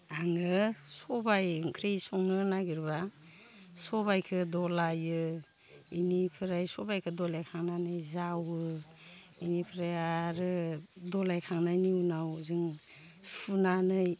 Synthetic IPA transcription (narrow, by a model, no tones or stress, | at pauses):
aŋɯsɔbajkʰɾisɔŋnɯnaɡiɾba | sɔbajkʰɯdɔlajɯ | inipʰɯɾajsɔbajkʰɯdɔlajkʰaŋnanɯjzawɯ | inipʰɾajaɾɯdɔlajkʰaŋnajniwnawzɯŋ | sunanɯj